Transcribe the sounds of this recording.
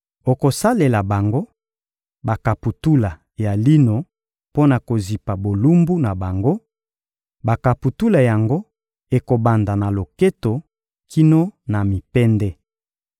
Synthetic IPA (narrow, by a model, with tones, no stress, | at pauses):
o˨ko˨sa˦le˨la˨ba˨ŋɡo˦ | ba˨ka˨pu˨tu˦la˨ | ja˨li˦no˨ | po˦na˨ko˨zi˨pa˨bo˨lu˦mbu˦na˨ba˨ŋɡo˦ | ba˨ka˨pu˨tu˦la˨ja˨ŋɡo˦ | e˨ko˨ba˨nda˨na˨lo˨ke˦to˨ | kʰi˦no˦na˨mi˨pɛ˦ndɛ˦